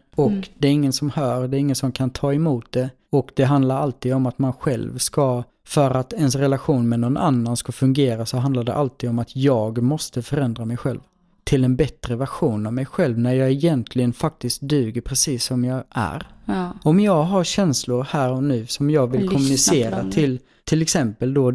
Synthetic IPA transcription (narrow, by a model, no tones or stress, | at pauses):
ɔkd̪ɛæɾɪŋːənsɔmhœːɾɖ̪ɛːɾɪŋːənsɔmkʰant̪ʰɑːɛmuːt̪̚d̪ɛ | ɔkd̪̥ɛɦand̪laɾalt̪iːd̪ɔmat̪manɧɛ̰lvska | fœɾat̪ɛnsɾɛlaɧuːnmɛnɔnʔa̰nːanskafɵŋɡeːɾasɔɦand̪laɖɛ̰ʔalt̪iːd̪ɔmat̪ʰjɑːɡmɔst̪əfœɾɛnd̪ɾamɛjɧɛ̰lv | t̪ʰɪlɛnbɛt̪ɾəvæɾɧuːnavmɛjɧɛlvnæɾjɑːɡɛjɛnt̪ʰlɪɡənfak̚t̪ɪst̪̚d̪ʉ̟ːɡəɾpʰɾɛsiːsːɔmjɑːɡʔæ̰ɾɔmjɑːɡɦaɾɕɛnslʊɾhæːɾɔnʉ̟ːsɔmjɑːɡvɪlkʰɔmɵnɪseːɾat̪ʰɪl | t̪ʰɪlɛksɛmpəld̪ɔ